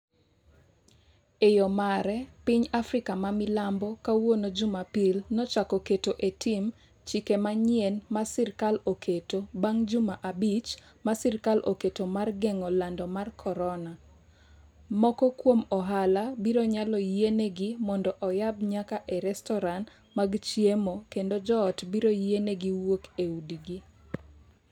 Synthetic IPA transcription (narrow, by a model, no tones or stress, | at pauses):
ejɔmaɾɛpɪɲafɾɪkamamɪlambɔkawonod͡ʒʊmapilnɔt͡ʃakɔketoʔetʰim | t͡ʃikemaɲɪenmasiɾkalokʰetobaŋd͡ʒʊmaʔabit͡ʃ | masiɾkalʔoketomarɡɛŋɔlandɔmarkʰɔɾɔna | mɔkɔkwomɔɦalabiɾoɲalɔjeneɡimɔndɔʔɔjabɲakaʔɛɾɛstɔɾan | maɡt͡ʃjemokendod͡ʒɔːtbiɾojeneɡiwokeudiɡi